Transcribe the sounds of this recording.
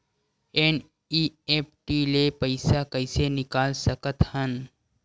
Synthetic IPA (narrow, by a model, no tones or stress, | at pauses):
eːn | iːeːp̚ʈilepəɪsakəɪsenɪkaːlsəkət̪hən